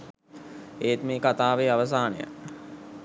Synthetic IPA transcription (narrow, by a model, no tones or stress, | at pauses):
eːt̪meːkat̪aːʋeːaʋəs̬aːnə̰jə̰